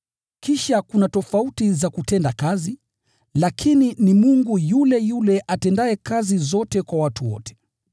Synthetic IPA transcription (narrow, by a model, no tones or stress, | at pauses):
kiʃakunatɔfautizakutɛndakazi | lakʰininimuŋɡujulɛjulɛʔatɛndaɛkazizɔtɛkwawatuwɔ̰tɛ̥